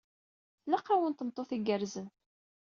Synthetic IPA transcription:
θləqːawənt̪əmt̪ˤːoθiɡəɾzən

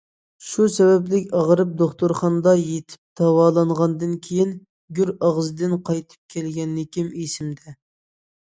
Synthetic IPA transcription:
ʃusɛbɛplɪkʲɑʁɾɨp̚d̪oχt̪uɾχɑnd̪ɑjet̪ʰɪ̥p̚d̪̥ɑwɑːlˠɑɴʁɑnd̪ɨnkʲʰejin | ɡʲyɾɑʁzd̪ɨnqʰɑjt̪ʰɨ̥p̚kʲʰɛlɡʲɛnːɪkʲimisɪmd̪ɛ

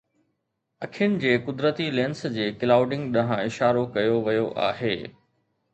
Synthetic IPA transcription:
ɐkʰɪjʊnɪ̆d͡ʑeːkʊd̪ɾət̪ilẽːnsd͡ʑeːkɪlaːʊɖɪ̃ŋɡɗɐɦãɪʃaːɾokɐjoʋɐjoʔa̰ːɦḛː

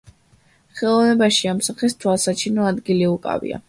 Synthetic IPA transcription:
χɛlˠɔvnɛbaʃiamsaχɛst̪ʰwalˠsat͡ʃʰinɔad̪ɡiliukʼa̰vḭa̰

